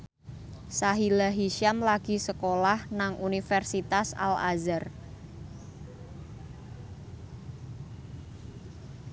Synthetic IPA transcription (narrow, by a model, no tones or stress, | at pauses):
saɦilaɦiʃamlaɡ̥i̤səkolahnaŋʔunifɛrsit̪asa̰la̰zər